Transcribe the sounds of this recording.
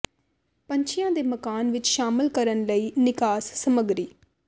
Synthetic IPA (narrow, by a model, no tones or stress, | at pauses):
pəɲt͡ʃʰɪjãːd̪eːməkaːnʋɪt͡ʃʃaːmɪlkəɾənləiːnɪkaːsːəməɡɾiː